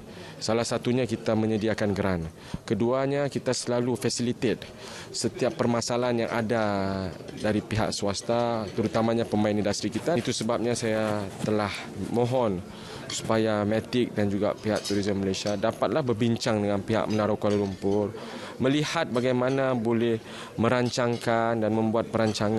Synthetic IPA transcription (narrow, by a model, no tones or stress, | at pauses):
salahsat̪uɲakit̪amə̃ɲədiakanɡəɾan | kəduaɲakit̪asəlalufasilit̪et̪̚ | sət̪iapːərmasalanjaŋʔa̰da | daɾipiɦa̰ʔsuast̪at̪əɾut̪amãɲapəmaɪnindast̪ɾikit̪at̪usəbap̚ɲãsajat̪əlah | mɔ̃ɦɔn | su̥pajamɛt̪ɪk̚dand͡ʒuɡa̰piɦa̰ʔ̚t̪uɾizəmːəlajsiadapat̪̚lahbərbiɲt͡ʃaŋdəŋanpiɦa̰ʔ̚mənaɾakalolumpʊr | mə̃lihat̪̚baɡajmanabolɛh | mə̃ɾaɲt͡ʃaŋkandanmə̃mbuat̪̚pəɾaɲt͡ʃaŋa